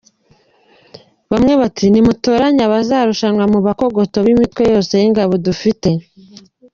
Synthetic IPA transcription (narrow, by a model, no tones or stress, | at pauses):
βamŋe̞βatʰinimutoɾaɲaβazaːɾuʃanwamuβako̞ɡo̞to̞βimitwe̞jo̞ːse̞jiŋɡaβo̞dufite̞